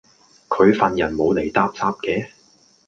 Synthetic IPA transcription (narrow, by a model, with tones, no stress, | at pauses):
kʰɵ˨˧ɥfɐ˨njɐ˨˩nmo˨˧wle˨˩jt̪aː˧p̚t͡saː˧p̚kɛː˧